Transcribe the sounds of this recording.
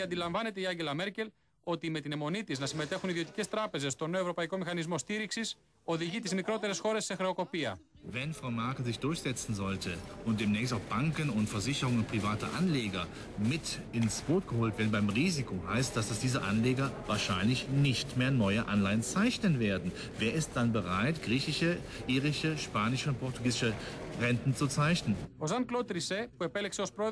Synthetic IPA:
ɐnd̪ilɐɱvɐne̞t̪e̞iɐɲɟe̞lɐme̞ɾce̞l | o̞t̪ime̞t̪ine̞mo̞nit̪iznɐsime̞t̪e̞xuniðio̞t̪i̥ce̞st̪ɾɐpe̞ze̞st̪o̞ne̞o̞vɾo̞pɐiko̞mixɐnizmo̞st̪iɾiksis | o̞ðiʝit̪izmikɾo̞t̪e̞ɾe̞sxo̞ɾe̞sːe̞xɾe̞oko̞piɐ | vɛnfʁaʊmɛɐkl̩zɪçd̥ʊɐçz̥ɛt͡sn̩zɔltʰəʊntd̥eːmnɛːçstaʊxb̥aŋkənʊntfɛɐzɪçəʁʊŋəʊnt̚pʁ̥ivaːtɐ̰ʔa̰nleːɡɐ | mɪt | ɪnsb̥oːtɡ̥əhoːltv̥eːɐdn̩baɪmʁiːzikʰoɦaɪstd̥asd̥asd̥iːzəʔa̰nleːɡɐvaːɐʃaɪnlɪçnɪçtmeːɐnɔʏəʔanlaɪənt͡saɪçnənveːɐdn̩ | veːɐɪst̚d̥anbəʁaɪtɡ̥ʁiːçɪʃə | ʔiːʁɪʃəʃpaːnɪʃəʊnt̚pʰɔʁtuɡiːzɪʃəʁɛntn̩t͡sut͡saɪçnənozɐŋklot̪ɾisepuepelekseospɾo

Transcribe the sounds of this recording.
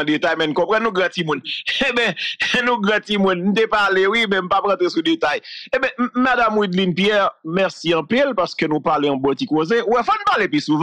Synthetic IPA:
det̪ajmɛ̃nkɔ̃pɛ̃nũɡʁãtimũnebɛ̃nũɡãtimũnn̩t̪epalewimɛ̃m̩papãt̪ʁesudet̪ajebɛ̃madamwid̪linpjɛʁmɛʁsiɐ̃pilpaʁskønũpaleɐ̃bɔtikozewɛfɔnpalepisuv

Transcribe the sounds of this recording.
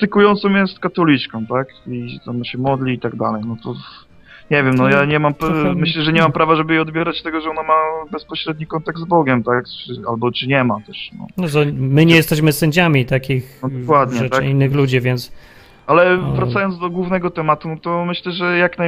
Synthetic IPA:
t̪ɨkujɔnt̪sɔ̃wjɛst̪kat̪ɔlʲit͡ʂkɔ̃w̃t̪akiɛt̪amɕɛmɔd̪lʲiːt̪aɡ̚d̪a̰lɛjnɔt̪ɔ | ɲɛvʲjɛmnɔjaɲɛmampmɘɕlɛʐɛɲɛmampɾavaʐɛbɘjɛɔd̪̚bʲjɛɾat͡ɕt̪ɛɡɔʐɛɔnamabɛspɔɕɾɛd̪ɲikɔnt̪aɡ̚d̪zbɔɡʲɛmt̪akt͡ʂɘalbɔt͡ʂɘɲɛmat̪ɛʂnɔ̰nɔzɔmɘɲɛjɛst̪ɛɕmɘsɛɲd͡ʑamʲit̪akʲixɔkwad̪ɲɛɛt̪inːɘxlud͡ʑivʲjɛnt̪s | ʔalɛvɾat̪sajɔnd̪zd̪ɔɡwuvnɛɡɔt̪ɛmat̪unɔt̪ɔmɘɕlɛʐɛjakna

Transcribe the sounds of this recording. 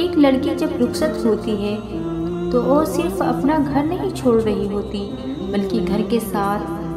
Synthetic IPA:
eːklɐɽkid͡ʒɐbɾʊxʃət̪ɦoːt̪iɦɛ | t̪ooːsɪɾfɐ̰pnaɡʱɐɾnɐɦĩt͡ʃʰoːɽɾɐɦiɦoːt̪i | bɐlkiɡʱɐɾkesaːt̪ʰ

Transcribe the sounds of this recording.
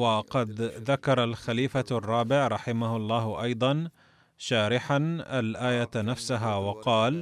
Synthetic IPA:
wɑqɑd̪ðakɑɾˤɑlxaliːfarˤːɑːbɪʕɾˤɑħɪmahʊlˤːɑːɦʔɑjd̪ˤɑn | ʃaːɾɪħanʔalʔaːjanafsaɦaːwɑqɑːl

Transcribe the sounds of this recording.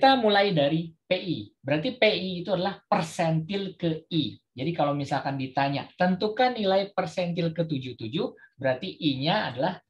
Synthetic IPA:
t̪amulajdaɾipeʔibəɾart̪ipeiːt̪uadalahpərsɛnt̪ɪlkəid͡ʒadikalawmisalkandit̪aɲa̰t̪ənt̪ukanːilajpərsɛnt̪ɪlkət̪ud͡ʒuht̪ud͡ʒuhbəɾart̪iʔiɲaːdalah

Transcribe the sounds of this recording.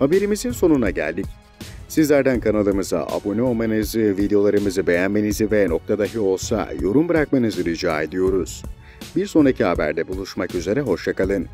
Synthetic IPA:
habe̞ɾimizinso̞nunaɟæ̰lʲd̪ic̚ | sizlʲæɾd̪ænkʰanalˠɯmɯza̰ʔa̰bonio̞lˠmanɯzɯvid̪ejo̞lˠaɾɯmɯzɯbe̞jænme̞nizɯvɛno̞k̚t̪ʰad̪aɦio̞lˠsa̰jo̞ɾumbɯɾak̚manɯzɯɾid͡ʒa̰ːe̞d̪ijo̞ɾuz̥ | biɾso̞nɾacʰihabæ̰ɾd̪ɛbulˠuʃmakyze̞ɾɛɦo̞ʃjakʰalˠɯn

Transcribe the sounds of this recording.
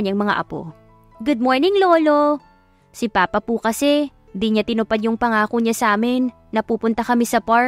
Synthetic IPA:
ɐɲɐŋmɐŋa̰ʔɐ̰po̞̰ | ɡʊd̪̚moɹnɪŋlo̞ːlo̞ | sɪpaːpɐpukɐsɛ | nd̪iɲat̪ɪnʊpad̪̚jʊŋpɐŋaːkoɲasɐʔaːmɪnːɐpuːpʊnt̪ɐkɐmɛsɐpa

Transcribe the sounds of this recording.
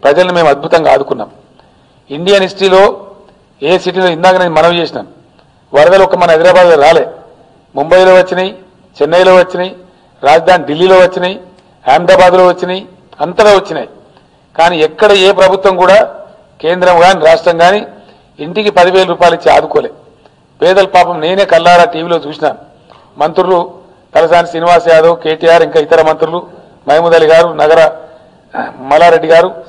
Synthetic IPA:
pɾɐd͡ʒɐlɐnume̞ːmɐd̪̚bʱut̪ɐŋɡa̰ːd̪ukunːa̰ːm | iɳɖijɐnisʈiːlo̞ː | eːsiʈ̬ilo̞ːind̪aːkɐneːnimɐnɐmt͡ʃe̞ːsina̰ːm | ʋɐɾɐd̪ɐlɔkɐmɐnɐɦɐd̪iɾaːbaːd̪loːɾaːle̞ː | mumbɐjlo̞ːʋɐt͡ʃːinɐji | t͡ʃɛnːɐjloːʋɐt͡ʃːinɐji | ɾaːd͡ʒɐd̪ʱaːniɖilːiːlo̞ːʋɐt͡ʃːinɐji | aːnd̪ɾaːbaːd̪lo̞ːʋɐt͡ʃːinii | ɐnt̪ɐɾoːʋɐt͡ʃːina̰ːji | kaːniːɛkːɐɽɐeːpɾɐbʱut̪ʋɐmkuːɽaː | ke̞ːnd̪ɾɐmɡaːniɾaːʂʈɾɐŋɡaːniː | ɳʈikipɐd̪iʋe̞ːlɐɾuːpaːjlit͡ʃːia̰ːd̪ukoːleː | pɛːd̪ɐlpaːpɐmne̞ːne̞ːkɐlːaːɾaːʈiːʋiːlo̞ːt͡ʃuːsinaːnu | mɐnt̪ɾulu | t̪ɐlɐsaːnisiniʋaːsjaːd̪ɐːwke̞ːʈijaːɾiŋkaːit̪ɐɾɐmɐnt̪ɾulu | mɐjmud̪ɐliɡaːɾunɐɡɐɾɐ | mɐlaːɾe̞ɖːiɡaːɾu

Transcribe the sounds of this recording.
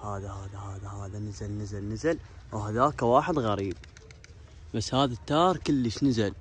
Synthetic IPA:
haːðahaːðahaːðahaːðanɪzalnɪzalnɪzalwɦaðaːkːawaːħɪd̪ɣaɾiːb̚ | basːhaːðat̪ːɑːɾˤkəlːəʃnɪzal

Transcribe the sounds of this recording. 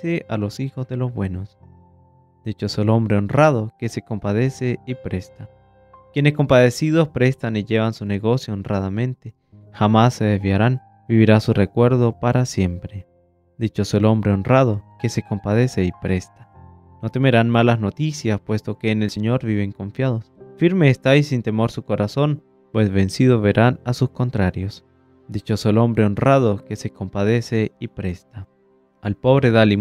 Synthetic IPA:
eʔalo̞sixo̞zðe̞lo̞zβwe̞nos | d̪̥it͡ʃo̞soelo̞mbɾe̞onrað̞o̞ke̞se̞ko̞mpað̞e̞se̞ipɾe̞st̪a | kje̞nesko̞mpaðe̞siðo̞spɾe̞st̪aniʝe̞βansune̞ɣo̞sjoonraðamẽ̞nt̪e | xamasːe̞ðe̞zβjaɾan | biβiɾasure̞kwe̞ɾðo̞paɾasje̞mpɾe | d̪it͡ʃosoelo̞mbɾe̞onraðo̞ke̞se̞ko̞mpað̞e̞se̞ipɾe̞st̪ḁ | no̞t̪e̞me̞ɾanmalazno̞t̪isjaspwe̞st̪o̞ke̞ːnelse̞ɲo̞ɾβiβe̞ŋko̞ɱfjaðo̞sfiɾme̞ːst̪ajsint̪e̞mo̞ɾsuko̞ɾaso̞n | pwe̞zβe̞nsiðoβe̞ɾanasusko̞nt̪ɾaɾjo̞s | d̪it͡ʃoselo̞mbɾe̞onrað̞oke̞se̞ko̞mpað̞e̞se̞ipɾe̞st̪a | alpo̞βɾe̞ðali

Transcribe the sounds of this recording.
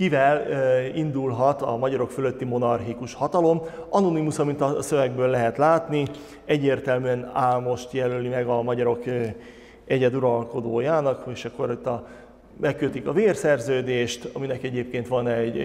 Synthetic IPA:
kivɛlind̪ulɦɒt̪ɒmɒɟɒɾo̞kfølø̞t̪ːimo̞nɒrɦikuʃhɒt̪ɒlo̞mɒno̞nimusɒmint̪ɒsø̞vɛɡ̚bøːlːɛɦɛt̪laːt̪ni | ɛɟːeːrt̪ɛlmyɛnaːlmo̞ʃt̪jɛlølimɛɡɒmɒɟɒɾo̞k | ɛɟɛd̪uɾɒlko̞d̪oːjaːnɒkeʃɒkːo̞ɾot̪ːɒ | mɛkːøt̪ikɒveːrsɛrzøːd̪eːʃt̪ɒminɛkɛɟeːp̚keːnt̪ʋɒnɛɟ

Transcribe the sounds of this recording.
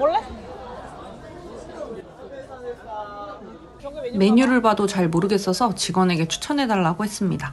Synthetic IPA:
me̞ɲuɾɯɭbadot͡ɕaɭmoɾɯɡe̞s͈ʌsʰʌt͡ɕiɡwʌne̞ɡe̞t͡ɕʰu̥t͡ɕʰʌnɦe̞daɭːaɡohe̞s͈ɯmɲida

